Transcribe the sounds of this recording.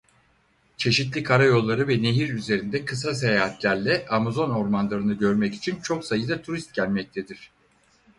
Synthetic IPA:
t͡ʃʰe̞ʃit̪̬lʲikʰaɾajo̞lˠːaɾɯvɛne̞ɦiɾyze̞ɾind̪ɛkʰɯs̬as̬e̞jaːɦat̪lʲæɾlʲɛʔamazo̞no̞ɾmanlˠaɾɯnɯɟø̞ɾmɛci̥t͡ʃʰint͡ʃʰo̞ksajɯd̪at̪ʰuɾist̪̚ɟælʲmɛc̚t̪ʰed̪iɾ̝̥

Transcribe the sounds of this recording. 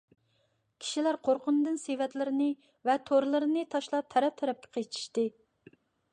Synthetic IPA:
kʲʰi̥ʃilæɾqʰoɾqʊnɨd̪ɨnsevɛt̪lɪɾɪnɨ | vɛt̪ʰoɾlˠɨɾɨnɨt̪ʰɑʃlˠɑp̚t̪ʰɛɾɛp̚t̪ʰɛɾɛp̚kʲɛ̥qʰet͡ʃʰi̥ʃt̪ɨ

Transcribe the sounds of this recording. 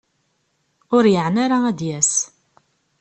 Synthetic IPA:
ʊɾjəʕnaɾaæd̪jæs

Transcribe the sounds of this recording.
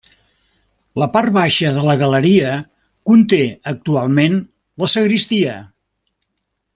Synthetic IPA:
ləpaɾβaʃəðələɣələɾiə | kunt̪eək̚t̪ualˠmen | ləsəɣɾist̪iə

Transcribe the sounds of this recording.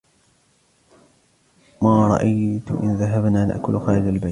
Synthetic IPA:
maːɾˤɑ̰ʔajt̪ʔɪ̰nðaɦabnaːna̰ʔkʊlxaːlɪd͡ʒalbaj

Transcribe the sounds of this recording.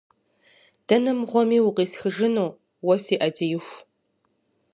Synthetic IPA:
d̥ɐnɨmʁʷɔmiːwʊqiːɬxɨʒɨnuː | wɔsiːʔɐdijɪxʷ

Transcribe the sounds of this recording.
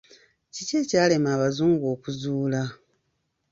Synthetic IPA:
cice̞ːcaːle̞maːβazuːŋɡoːkuzuːla

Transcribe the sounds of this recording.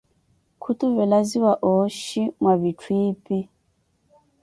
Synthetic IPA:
kʰutuvɛlaziwaʔɔʃimwavitʰwiːpi

